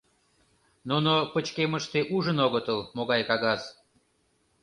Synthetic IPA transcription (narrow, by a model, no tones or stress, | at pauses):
nunopət͡ɕkeməʃt̪eʔuʒənoɣət̪əlmoɣɑjkɑɣɑz